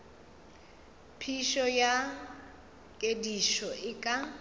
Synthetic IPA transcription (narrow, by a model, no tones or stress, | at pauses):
pʰiʃɔja | kʼediʃɔɪkʼa